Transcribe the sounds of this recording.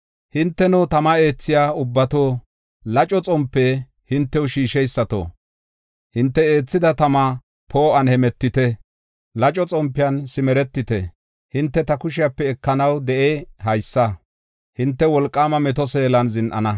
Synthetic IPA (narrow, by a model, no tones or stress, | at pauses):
hɪnt̪ːɛnʊt̪ɐmɐe̞ːt͡sːɪjaːʊbːɐt̪oː | lɐt͡ʃʼɔt͡sʼɔmpːɛ | hɪnt̪ːɛwʊʃiːʃɛjsːɐt̪o̰ː | hɪnt̪ːɛe̞ːt͡sːɪd̪ɐt̪ɐmɐ | pʰo̞ːʔɐnhɛmɛt̪ːɪt̪ɛ | lɐt͡ʃʼɔt͡sʼɔmpːɪjɐnsɪmɛɾɛt̪ːɪt̪ɛ̰ | hɪnt̪ːɛt̪ɐkʊʃɪjapːɛːkːɐnɐwd̪ɛʔehɐjsːɐ | hɪnt̪ːɛwɔlkʼːaːmɐmɛt̪ɔseːlɐnzɪnʔɐ̰nɐ